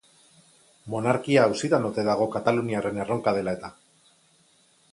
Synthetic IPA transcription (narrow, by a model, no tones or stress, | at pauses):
mo̞naɾkiaːwsit̪anot̪e̞ðaɣ̞o̞kat̪aluniare̞ne̞ro̞ŋkað̞e̞lae̞t̪a